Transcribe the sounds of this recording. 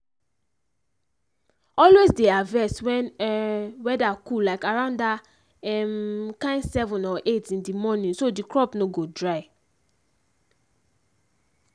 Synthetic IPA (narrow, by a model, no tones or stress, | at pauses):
ɔlwezdeavɛswɛ̃n | wɛdakulaɪkaɹãʊ̃nda | ɛmkãɪ̃nsɛvɔ̃nɔʔetĩndimɔnĩnsodikɹɔpnoɡodɹaɪ